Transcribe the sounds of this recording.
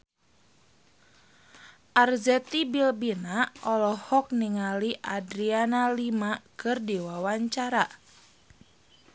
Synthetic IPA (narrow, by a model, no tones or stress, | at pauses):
ʔarzɛt̪ibilbinaɔlɔhɔk̚niŋaliʔadɾianalimakɨrdiwawaɲt͡ʃaɾa